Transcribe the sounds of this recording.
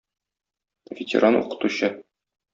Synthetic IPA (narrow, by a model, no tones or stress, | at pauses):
vʲɪt̪ʲɪ̰ɾʔanṵqɤ̥̆t̪uɕɤ